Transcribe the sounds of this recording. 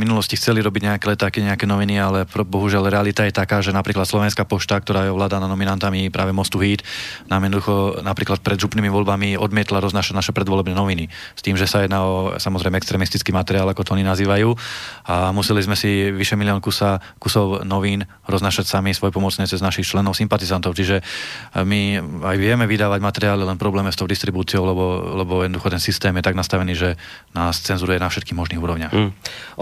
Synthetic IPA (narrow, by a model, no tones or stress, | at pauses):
minulɔscixt͡sɛliɾɔbiɟɲɛakɛlɛt̪aːkiɲɛakɛnɔʋinialɛpɾɔbɔɦuʒɪalɾɛalit̪ajɛt̪akaːʒɛnapɾiːklat̪slɔʋɛnskapɔʃt̪ak̚t̪ɔɾaːjɛɔʋlaːd̪ananɔminant̪amipɾa̰ːʋɛmɔst̪uɦiːt̪naːmjɛd̪nɔd̪uxɔnapɾiːklat̪̚pɾɛd̪ʒupniːmiʋɔlbamiɔd̪mɪɛt̪laɾɔznaːʃaɟnaʃɛpɾɛd̪ʋɔlɛbnɛːnɔʋini | st̪iːmʒɛsajɛd̪naɔsamɔzɾɛjmɛɛkst̪ɾɛmist̪i̥t͡skiːmat̪ɛɾiaːlakɔt̪ɔɔɲinaziːʋajuːamusɛlizmɛsiʋiʃɛmilɪɔnkusa | kusɔʊnɔʋiːn | ɾɔznaːʃacsamisʋɔjɛpɔmɔt͡sɲɛt͡sɛznaʃixt͡ʃlɛnɔʊsimpat̪izant̪ɔʊt͡ʃiʒɛmiajʋɪɛmɛʋid̪aːʋaɟmat̪ɛɾiaːlilɛnpɾɔblɛːmɛst̪ɔʊd̪ist̪ɾibuːt͡siɔʊlɛbɔlɛbɔjɛd̪ɔd̪uxɔt̪ɛnsist̪ɛːmjɛt̪aɡnast̪aʋɛniːʒɛ | naːst͡sɛnzuɾujɛnafʃɛt̪kiːɦmɔʒniːɦuːɾɔʊɲɪaːx